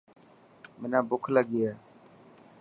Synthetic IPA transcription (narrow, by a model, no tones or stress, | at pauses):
mɪnãːbʊkʰləɡɪjaː